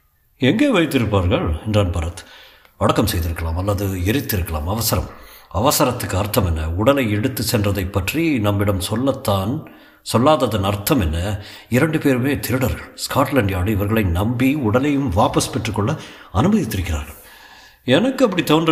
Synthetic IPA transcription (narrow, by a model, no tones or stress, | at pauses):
ɛŋɡeːʋɐɪt̪ːɪɾɯpːaːɾɣɐɭɛndraːnpɐɾɐt̪ | ʋɐɽɐkːɐmsɛjðɪɾɯkːɐɭaːmɐlːɐðɯɛɾɪt̪ːɪɾɯkːɐɭa̰ːmɐʋɐsɐɾɐ̰mɐʋɐsɐɾɐt̪ːɯkːɯɐɾt̪ːɐmɛnːɐʊɽɐlɐɪɛɽɯt̪ːɯsɛndrɐðɐɪpːɐʈrinɐmːɪɽɐmsɔlːɐt̪ːaːn | sɔlːaːðɐðɐnɐɾt̪ːɐmɛnːɐ | ɪɾɐɳɖɯpeːɾɯmeːt̪ʰɪɾɯɽɐɾɣɐɭskaːʈlɐɳɖɪjɐɽɐjɐʋɐɾɣɐɭɐɪnɐmbijʊɽɐlɐjɯmʋaːpɐspɛʈːrɯkːɔɭːɐɐnɯmɐðɪt̪ːɪɾɯkːɪra̰ːɾɣɐɭ | ɛnɐkːɯɐpːɐɽit̪oːndrɐ